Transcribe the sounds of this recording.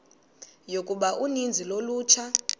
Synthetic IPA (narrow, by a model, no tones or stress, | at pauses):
jokʼuɓaʔunind͡zʱiloluːt͡ʃʰa